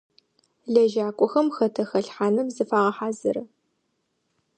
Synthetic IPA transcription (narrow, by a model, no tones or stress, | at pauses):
ɮɐʒaːkʷʼʊxɐmxɐtʰɐxɐɬħaːnɨmzɨfaːʁɐħaːzɐɾɐ